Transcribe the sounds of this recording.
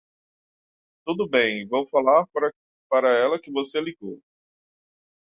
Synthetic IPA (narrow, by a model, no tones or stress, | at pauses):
t̪ud̪ʊbẽj̃võw̃falaɾɾ | paɾɐɛlɐkɪvoseliɡow